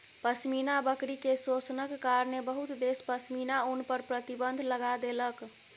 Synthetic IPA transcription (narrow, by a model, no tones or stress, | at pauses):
pəsminabəkɾikesosnəkːaɾnebəɦut̪d̪espəsminaunpəɾpɾət̪ibənd̪ʱləɡad̪elək